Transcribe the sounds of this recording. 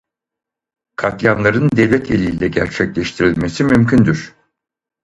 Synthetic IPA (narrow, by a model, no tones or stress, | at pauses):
kʰakjanlˠaɾɯnd̪ɛvlʲɛt̪ʰelʲiːlʲɛɟæɾt͡ʃʰɛclʲɛʃt̪ʰiɾilʲmesimymcʰynd̪yɾ̥